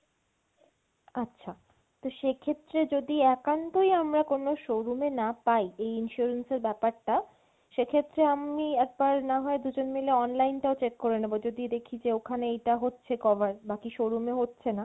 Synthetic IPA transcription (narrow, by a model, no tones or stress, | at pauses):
atːɕʰa | t̪oʃekʰet̪ːɾed͡ʑod̪iɛkant̪ojamɾakonoʃoɾumenapajejinʃuɾenseɾbɛpaɾʈa | ʃekʰet̪ːɾeamiɛk̚baɾnaɦɔed̪ud͡ʑonmeleɔnlajnʈaot͡ɕekkoɾenebod͡ʑod̪id̪ekʰid͡ʑeokʰaneejʈaɦotːɕʰekɔbaɾbakiʃoɾumeɦotːɕʰena